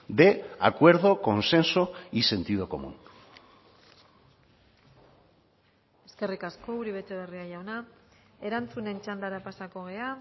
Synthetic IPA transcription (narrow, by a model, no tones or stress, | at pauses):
d̪e̞a̰kwe̞ɾðo̞ko̞nse̞nsoise̞nt̪ið̞o̞ko̞̰mṵn | e̞ske̞rikasko̞uɾiβ̞e̞t̪eβeriaʝawnae̞ɾant͡sune̞nt͡ʃand̪aɾapasako̞ɣ̞e̞a